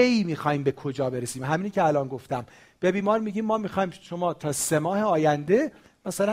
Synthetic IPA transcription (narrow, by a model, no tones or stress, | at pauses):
eimiːxɒːhiːmbe̞kʰo̞d͡ʒɒːbe̞ɾesiːmɦæmiːnicʲʰeælɒːnɡo̞ft̪æm | b̥e̞biːmɒːɾmiɟiːmːɒːmixɒːimʃomɒːt̪ʰɒːse̞mɒːheɒːjænd̪e̞ | mæsælæ